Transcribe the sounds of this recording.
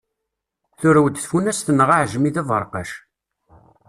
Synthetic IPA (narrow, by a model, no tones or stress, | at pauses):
θʊɾæwd̪θfunæsθənːəʁaʕʒmiðævˤə̰ɾˤqɑ̰ʃ